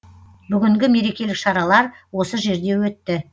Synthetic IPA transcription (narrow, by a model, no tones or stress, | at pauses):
bʏɡʲɪŋɡʲɪme̞ɾe̞kʲe̞lɪkʃɑɾɑlˠɑɾwo̞səʒe̞ɾd̪e̞wɵt̪ːɪ